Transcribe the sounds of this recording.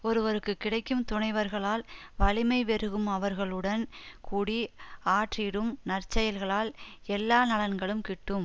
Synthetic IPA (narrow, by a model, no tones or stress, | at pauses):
ɔɾɯʋɐɾɯkːɯkːɪɽɐɪkːɯmt̪ʊɳɐɪʋɐɾɣɐɭaːlʋɐlɪmɐɪʋɛɾɯɣɯmɐʋɐɾɣɐɭɯɽɐnkʰuːɽiaːʈrɪɽɯmnɐrt͡ʃːɐjɐlɣɐɭaːlɛlːaːnɐlɐnɡɐɭɯmkɪʈːɯm